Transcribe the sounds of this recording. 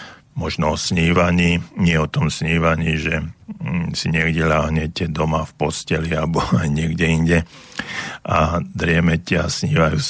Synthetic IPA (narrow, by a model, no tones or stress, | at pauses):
mɔʒnɔɔsɲiːʋaɲiːɲɪɛɔt̪ɔmsɲiːʋaɲiːʒɛ | siɲɪɛɡɟɛlaːɦɲɛcɛd̪ɔmafpɔscɛliabɔajɲɪɛɡɟɛinɟɛ | ʔad̪ɾɪɛmɛcɛasɲiːʋajuːs